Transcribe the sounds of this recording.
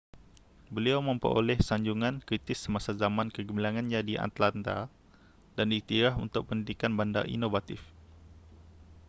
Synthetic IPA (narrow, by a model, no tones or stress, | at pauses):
bəliawmə̃mpə̰ɾo̰lɛhsaɲd͡ʒuŋãnkɾit̪ɪsəmasazamãnkəɡumbilaŋãnɲãdiʔa̰t̪lant̪a̰ | daniht̪iɾaɦṵnt̪ʊk̚pəndidikanbanda̰rʔḭnovat̪if